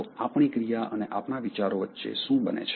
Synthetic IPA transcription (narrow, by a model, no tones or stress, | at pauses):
apɳ̃ikɾijaʔəneʔapnaʋit͡ʃaɾoʋətːʃḛʃũbənḛt͡ʃʰ